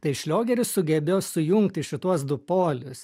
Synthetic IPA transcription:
t̪ɐɪʃʲlʲoːɡʲɛɾʲʊssʊɡʲɛbʲeːjoːsʊjʊŋkt̪ʲɪʃʲɪt̪uɔsd̪ʊpoːlʲʊs

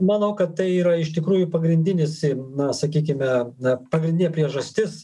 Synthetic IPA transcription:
mɐnɐʊkɐt̪t̪ɐɪiːɾɐɪʃt̪ʲɪkɾuːjʊpɐɡɾʲɪnʲd̪ʲɪnʲɪsinɐsɐkʲiːkʲɪmʲɛpɐɡɾʲɪnʲdʲɪnʲɛpʲɾʲiɛʒɐsʲt̪ʲɪs

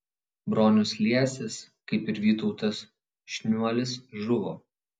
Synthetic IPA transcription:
bɾoːnʲʊslʲiɛsʲɪskɐɪpɪɾʋʲiːt̪ɔʊt̪ɐs | ʃʲnʲuɔlʲɪsʒʊʋo̰ː

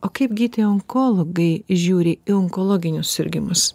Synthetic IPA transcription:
oːkɐɪpɡʲiːt̪ʲeɔŋkoːlˠoɡɐɪʒʲuːɾʲɪiɔŋkoːlˠoːɡʲɪnʲʊssʲɪɾʲɡʲɪmʊs

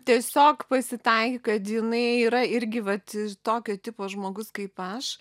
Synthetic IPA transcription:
t̪ʲiɛsʲoːkpɐsʲɪt̪ɐɪkʲɪkɐt̪jɪnɐɪiːɾɐɪɾʲɡʲɪʋɐt̪ɪt̪oːkʲoːt̪ʲɪpoːʒmoːɡʊskɐɪpɐʃ

